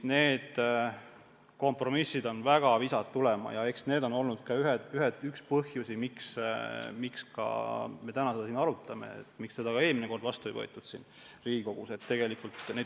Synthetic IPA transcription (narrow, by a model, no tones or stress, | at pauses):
neːd̪̥ | ko̞mpro̞misːid̪̥o̞nvæɡ̥ɑvisɑt̪ːulemɑ̰jɑe̞ksne̞ːd̪o̞no̞lnud̪̥kɑyɦed̪yɦed̪ykspɤhjusimiksmikskɑ̰me̞t̪ænɑse̞d̪̥ɑsiːnɑɾut̪ːˑɑmḛḛt̪ːˑmikse̞d̪ɑkɑeːlmine̞ko̞rd̪̥vɑst̪uejvɤ̰jt̪ːˑud̪̥sḭːn | riːɡiko̞ɡ̥use̞t̪ːe̞ɡe̞likult̪ne